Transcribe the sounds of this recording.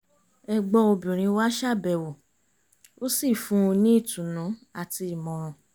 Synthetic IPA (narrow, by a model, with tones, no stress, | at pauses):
ɛ˧ɡ͡bɔ̃˧o˧bĩ˨ɾ̃ĩ˧˦wa˦ʃa˦˨bɛ˨wo˨ | o˦si˦˨fũ˦˧nĩ˦i˦˨tũ˨nũ˨˦a˦˨ti˧i˨mɔ̃˨˧ɾ̃ũ˧